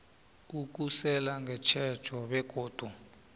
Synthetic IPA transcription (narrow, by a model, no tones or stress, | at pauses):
uk̬usɛlaŋɡʱɛt͡ʃʰɛ̥t͡ʃʰɔɓɛk̬ʼoːd̥ʱu